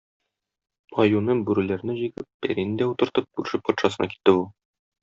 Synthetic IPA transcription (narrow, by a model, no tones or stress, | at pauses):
ɒjunɤɴbʉɾɘ̆læɾnɘʑiɡɘp̚ːæ̰ɾinɘd̪æut̪ɤ̆ɾt̪ɤp̚kʉɾʃɘp̚pɒt̪ʃɑsɤ̆nɑki̥t̪ːɘulˠ